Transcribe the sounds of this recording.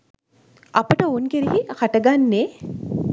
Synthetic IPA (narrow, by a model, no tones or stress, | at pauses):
apəʈəonkeɾiɦihaʈəɡanːeː